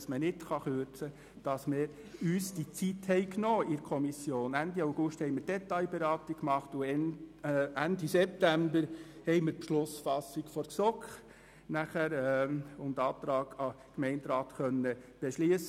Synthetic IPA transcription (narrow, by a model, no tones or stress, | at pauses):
smənɪtχɑχøɾt͡sə | d̥ɑsmɪːɾ | yːsd̥it͡sithɛɪknoːɪɾkʰɔmisjoːnændiɑwɡ̥ʊʃthɛɪmɪɾd̥ɛtɑjbeɾɑːt̪ikkːmɑχtʊ | ʔændisɛp̚tæmbəɾhɛɪmɪɾpʃlʊsfɑsikfɔɾksɔkχ | næχæɾʊndɑːt̪ɾɑːɡɑ | kmɛɪntɾɑːt̪χœnːəb̥ɛʃliəs